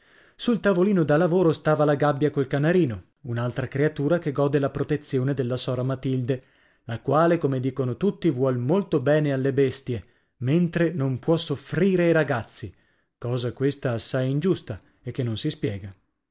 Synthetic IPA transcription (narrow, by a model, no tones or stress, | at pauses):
sult̪avoliːnod̪alːavoːɾost̪aːvalaɡabːjakolkanaɾiːno | unalt̪ɾakɾeat̪uːɾakeɡɔːd̪elapɾot̪et̪sːjoːned̪elːasɔːɾamat̪ild̪e | lakwaːlekomed̪iːkonot̪ut̪ːivwɔlmolt̪obɛːnealːebest̪je | ment̪ɾenompwɔsofɾiːɾeiɾaɡat̪sːi | kɔːzakwest̪aːsːajind͡ʒust̪a | ekːenːonsispjɛːɡa